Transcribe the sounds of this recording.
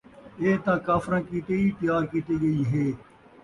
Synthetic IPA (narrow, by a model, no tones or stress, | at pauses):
eːt̪ãːkaːfɾãːkiːt̪eːiːpɪjaːɾkiːt̪eːɡɐiːɦeː